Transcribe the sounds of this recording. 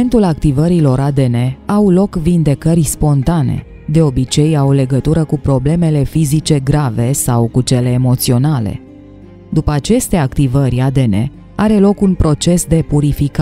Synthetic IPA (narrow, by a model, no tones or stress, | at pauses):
nt̪ulakt̪ivəɾilo̞ɾad̪e̞ne̞awlo̞kvind̪e̞kəɾʲjspo̞nt̪ane̞̰ | d̪e̞o̞bit͡ʃe̞jawle̞ɡət̪uɾəkupɾo̞ble̞me̞le̞fizit͡ʃe̞ɡɾave̞sawkut͡ʃe̞le̞ːmo̞t̪sio̞nale̞̰ | d̪upəat͡ʃe̞st̪eakt̪ivərʲad̪e̞nḛ | aɾe̞lo̞kunpɾo̞t͡ʃe̞sd̪e̞puɾifika